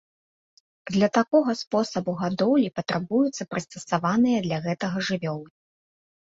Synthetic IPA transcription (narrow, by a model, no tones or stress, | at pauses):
d̪lʲɐt̪akɔɣɐspɔsɐbuɣad̪ɔwlʲipɐt̪ɾabujut̪sːɐpɾɨst̪ɐsavanɨjɐd̪lʲɐɣɛt̪ɐɣɐʐɨvʲɔlˠɨ